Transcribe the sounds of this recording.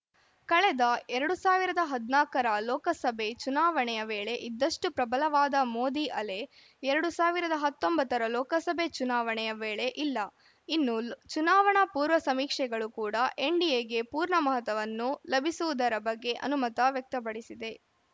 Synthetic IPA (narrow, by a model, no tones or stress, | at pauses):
kɐɭɛd̪ɐɛɾɐɽusaːʋiɾɐd̪ɐɦɐd̪naːkɐɾɐlɔːkɐsɐbʱet͡ʃunaːʋɐɳɛjɐʋeːɭe̞ʔid̪ːɐʂʈupɾɐbɐlɐʋaːd̪ɐmoːd̪iʔɐle | ɛɾɐɽusaːʋiɾɐd̪ɐɦɐt̪ːombɐt̪ːɐɾɐlɔːkɐsɐbet͡ʃunaːʋɐɳɛjɐʋeːɭe̞ʔilːɐ | inːut͡ʃunaːʋɐɳɐpuːɾʋɐsɐmiːkʂɛɡɐɭukuːɽɐʔeɳɖijeɡe̞puːɾɳɐmɐɦɐt̪ɐʋɐnːulɐbʱisuʋud̪ɐɾɐbɐɡːe̞ʔɐ̰numɐt̪ɐʋjɐk̚t̪ɐp̬ɐɽisid̪e̞